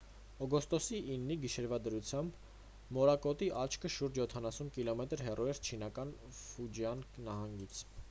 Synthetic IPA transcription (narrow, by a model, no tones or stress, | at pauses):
ɔɡɔst̪ɔsiʔːnːiɡiʃɛɾvɑd̪əɾut͡sʰjɑmb | mɔɾɑkɔt̪iʔɑt͡ʃʰkʰəʃuɾd͡ʒjɔt̪ʰɑnɑsunkilɔmɛt̪əɾɦɛrʔuɛɾt͡ʃʰinɑkɑn | fud͡ʒjɑnnɑɦɑŋɡit͡sʰ